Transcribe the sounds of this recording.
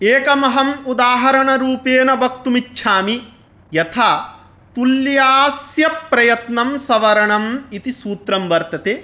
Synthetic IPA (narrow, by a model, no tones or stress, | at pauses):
eːkɐmɐɦɐmud̪aːɦɐɾɐɳɐɾuːpeːnɐbʱɐk̚t̪umitːʃʰaːmi | jɐt̪ʰa | t̪uljaːsjɐpːɾɐjɐt̪nɐmsɐʋɐɾɐɳɐmit̪isuːt̪ɾɐmʋɐɾt̪ɐt̪eː